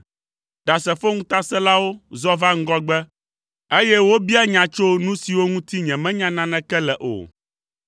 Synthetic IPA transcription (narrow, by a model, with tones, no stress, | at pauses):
ɖ̥a˨sɛ˨fo˦ŋũ˦t̪a˦sɛ˦la˦wo˦zɔ˦va˦ŋ̩˦ɡɔ˦ɡ͡bɛ˦ | e˦jɛ˦wo˦bi˦a˦ɲã˨t͡ʃo˦nũ˦si˨wo˦ŋũ˦t̪i˦ɲɛ̃˨mɛ̃˦ɲã˦nã˦nɛ̃˨˦kɛ˦lɛ˨ʔo̰˨